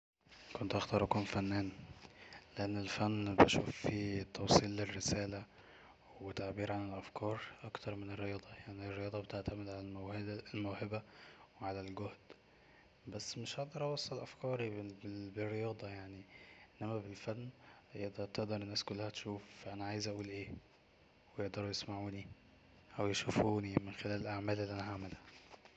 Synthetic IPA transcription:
kont̪ʔaxt̪ɑːɾˤʔkomfænːæːn | leʔenːelfænːbæʃṵːfit̪ʰːɑwsˤiːlːerːesæːlæ | wet̪ːaʕbiːɾʕanelʔæfkʰɑːɾˤʔɑkt̪ɑɾˤmenerːejɑːd̪ˤɑjaʕnirːejɑːd̪ˤɑbet̪eʕt̪æmed̪ʕalælmæwhed̪lmowhebæweʕalælɡohd̪̥ | bæsːmeʃheʔd̪ˤɑɾˤʔɑwɑsˤːɑllʔæfkɑːɾˤberːejɑːd̪ˤɑjaʕniʔenːæmæbelfælmjeʔd̪ɑt̪eʔd̪ɑɾˤenːæːskolːæhæt̪ʃuːfʔænæʕaːjezʔæʔuːlʔeː | wejeʔd̪ɑɾˤujesmaʕuːni | ʔæwjeʃufuːnimenxelæːlelʔaʕmæːlʔelːiːʔænæɦaʕmælhæ

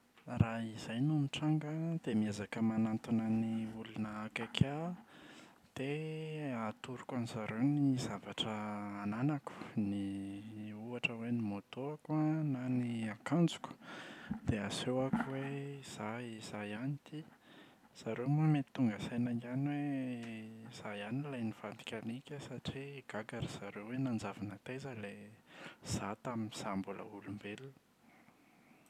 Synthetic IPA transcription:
raizajnumiʈ͡ʂaŋɡəd̪̥emiazakəmanant̪unəniulunəːkakʰa | d̪̥e | at̪uɾukaniz̥aɾewnizavaʈ͡ʂəːnanaku̥ni | uaʈ͡ʂəwenimot̪oakuananiakand͡zu̥ku̥d̪̥easewakuweiz̥aiz̥ajanit̪i | z̥aɾemamet̪i̥t̪ːuŋɡasejnaŋɡanwe | z̥ajanilajniv̥and̪i̥kʲanikʲəsaʈ͡ʂiɡ̥aɡaɾiz̥aɾewwenand͡zavinət̪ezəle | z̥at̪aminisambulə̰ulumbelun

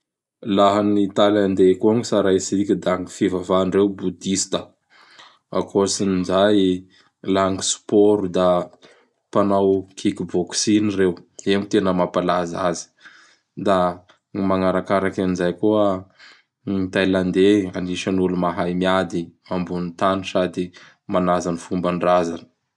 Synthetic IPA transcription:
laɦanit̪ajland̪ekuaŋisaɾajsikʲid̪aŋifivavanrewbud̪ist̪ə | a̰kʰosinid͡ʒaj | laŋisu̥poɾud̪a | panawkʰikiboksinirewemit̪enəmapalazazi̥ | d̪a | maŋaɾakaɾakanizajkuə | it̪ajland̪eaniʃənulumaɦajmiad̪imambunit̪anisad̪i | manazanifumbaɳɖ͡ʐazanə

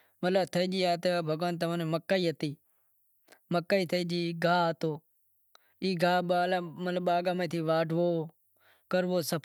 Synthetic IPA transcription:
mət̪ləbt̪ʰəiːd͡ʒiːaːt̪ebʱəɡʋaːnt̪əʋãːneːməkːaːiːɦət̪iː | məkːaːiːt̪ʰəiːd͡ʒiːɡʱaːt̪oː | iːɡʱaːɓaːlaːmət̪ləbaːɡaːmẽːt̪ʰiːʋaːɖʱʋoː | kəɾʋoːsəp

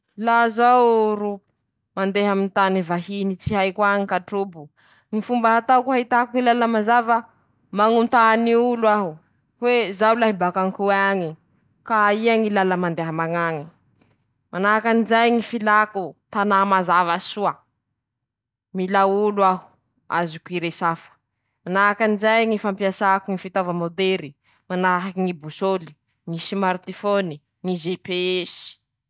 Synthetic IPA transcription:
lazawɾu | mand̪eɦamint̪anivaɦinit͡siɦajkwaɲikaʈ͡ʂubu | ŋifumbaɦat̪awkuɦait̪akuŋilalamazavə | maŋunt̪aniuluaɦu | wezawlaɦibakaŋkuaɲi | kaiaŋilalamand̪eɦaəmaŋaŋi | manaɦakanizajŋifilakut̪anamazavasua | milauluaɦu̥ | a̰zukuiɾesafə̥ | manakanizajŋifampiasakuŋifit̪avamod̪eɾi | manaɦakiŋibusoli̥ | ŋisimaɾt̪ifoni | ŋizepeesi̥

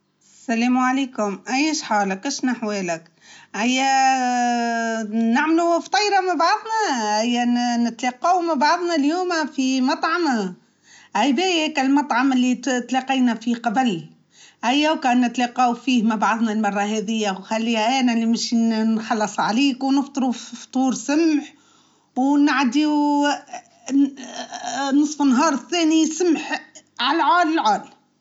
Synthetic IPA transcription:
saleːmʕaleːkʊmʔajːɪʃħaːlakʔɪʃnaħweːlak | ʔajːa | naʕmluft̪ˤɑjɾɑmabɑʕðˤnɑhajːanɪt̪leːqɑwmabɑʕɑðˤnɑljuːmafimɑt̪ˤʕɑma | ʔajbeːjekalmɑt̪ˤʕɑmɪlːit̪leːqɑjnafiqɑbl | ʔæjːæwkanːɪt̪lɑːqɑwfiːhmabʕɑðˤnɑlmɑrˤːɑɦɛːðɪjːawxalːiːhæʔæːnælːimʃinħɑlːɑsˤʕaliːkwnɪft̪ˤɨɾufft̪ˤuːɾsʊmħ | wnaʕd̪iw | nɨsˤfɪnːɦɑːɾˤθɛːnisʊmħʕalʕaːlɪlʕaːl

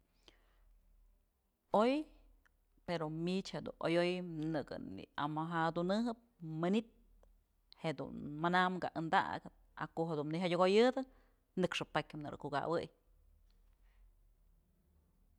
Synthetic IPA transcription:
oj | peɾomit͡ʃhed̪ṵnʔojojnɨɡɨ̰nḭamaɦad̪unɨɦɨp̚mɨnit̪̚ | heʔd̪ṵnmanamɡaʔɨnd̪a̰ʔɡɨt̪̚a̰kohed̪unniɦajʲoɡojɨd̪ɨ | nɨkʂɨpakʲɨmnɨɾɨ̰kuɡa̰wɨj

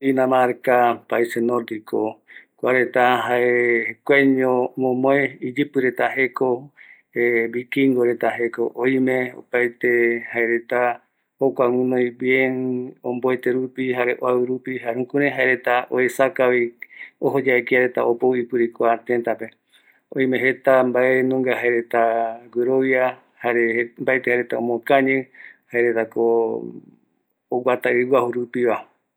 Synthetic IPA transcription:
inãmaɾkapaisenoɾd̪ikokʷaɾet̪aɦaekʷeɲõmõmõẽid͡ʒɨpɨɾet̪aɦeko | eβikiŋɡoɾe̞t̪aɦekoʔojmẽo̰pajt̪ehaeɾe̞t̪a | okʷawɨ̃nõj̃βjenõmboet̪eɾupiɦaɾeʔoawɨɾupiɦaɾũkũɾẽɦaeɾe̞t̪aʔoesakaβioɦod͡ʒaekiaɾet̪aopoipɨɾikoat̪ent̪ape | õĩmẽɦet̪ambaenũŋɡaɦaeɾe̞t̪aɡʷeɾoʋja | haɾembaet̪ehaɾet̪aõmõkãɲẽhaeɾet̪ako | wʷat̪aɨwʷahuɾupiβa

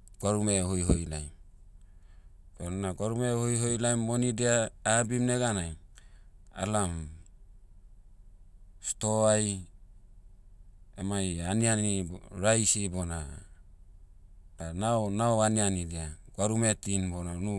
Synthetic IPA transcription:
ɡ̥waɾumehojɦojlajm | bonnaɡaɾumehojɦojlajmːonidiaːbimneɡanaj | a̰lam | stoaj | emajanianiɾajsibona | d̥ananaoanianidiaɡwaɾumetinbonanu

